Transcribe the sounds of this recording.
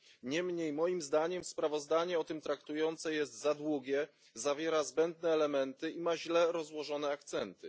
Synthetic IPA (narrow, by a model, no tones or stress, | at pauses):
ɲɛmɲejmɔjimzd̪aɲɛmspɾavɔzd̪aɲɛɔt̪ɘmt̪ɾakt̪ujɔnt̪sɛjɛst̪zad̪wuɡʲjɛ | zavʲjɛɾazbɛnd̪nɛːlɛmɛnt̪ɘimaʑlɛɾɔzwɔʐɔnɛak̚t̪sɛnt̪ɘ